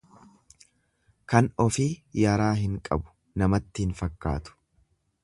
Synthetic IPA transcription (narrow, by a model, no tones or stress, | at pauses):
kɐnɔfiːjaːɾaːɦɪŋkʼɐ̰bʊ̥ | nɐmɐt̪ːɪhɪnfɐkːa̰ːt̪ʊ̥